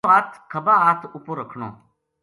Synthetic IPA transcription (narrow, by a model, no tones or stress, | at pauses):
aːt̪ʰkʰəbaaːt̪ʰupoːɾəkʰɳo̰ː